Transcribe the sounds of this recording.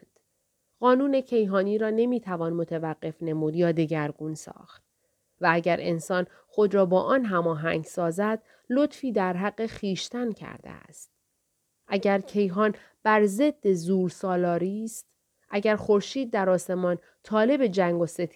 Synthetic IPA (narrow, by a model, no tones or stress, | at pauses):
nd̪̥ | ɢɒːnuːne̞cʰe̞jɦɒːniːɾɒːne̞miːt̪ʰævɒːnmot̪ʰevæɢːe̞fne̞muːd̪jɒːd̪e̞ɡæɾɡuːnsɒ̰ːxt̪̚ | vææɟæɾe̞̰nsɒːn | xo̞d̪ɾɒːbɒːʔɒːnɦæmɒːɦæŋɡsɒːzæd̪̥̚ | lo̞t̪fiːd̪æɾɦæɢːe̞χiːʃt̪æncʰæ̰ɾd̪ḛæ̰st̪̚ | ʔæɟæɾcʰe̞jɦɒːn | b̥æɾze̞d̪ːe̞zuːɾsɒːlɒːɾiːst̪ | ʔæɟæɾxo̞ɾʃiːd̪̚ːæɾɒːse̞mɒn | t̪ʰɒːle̞be̞d͡ʒæŋɡose̞t̪ʰ